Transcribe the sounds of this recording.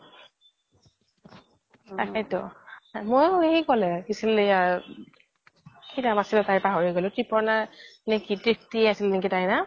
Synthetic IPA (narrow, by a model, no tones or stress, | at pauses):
akʰajtɔ̰mojeikɔlɛkisilja | kʰidamasilɔtajpaɦɔɹiɡɔlɛtɹipɔɹnanekitɹik̚tiasilnek̬itajna